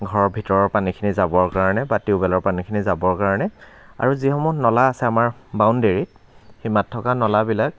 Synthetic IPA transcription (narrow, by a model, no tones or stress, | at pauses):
ɡʱɔɹɔɹbʱitɔɹɔɹpanikʰinizabɔɹkaɹɔnɛbatiʊbɛlɔɹpanikʰinizabɔɹkaɹɔnɛ | a̰ɹuzixɔmunɔlaːsɛamaɹbawndeɹit̚ | ximatʰːɔkanɔlabilak̚